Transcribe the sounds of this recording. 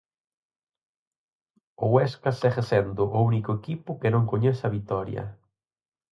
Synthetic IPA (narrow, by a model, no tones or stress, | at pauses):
oweskasɛχesɛnd̪ʊʔʊunikoekipʊkenõŋkoɲɛθɐβit̪ɔɾjɐ̰